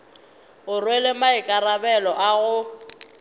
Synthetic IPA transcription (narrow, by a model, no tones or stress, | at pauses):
ɣʊrwelemaɪkʼarabɛlɔʔaɣʊ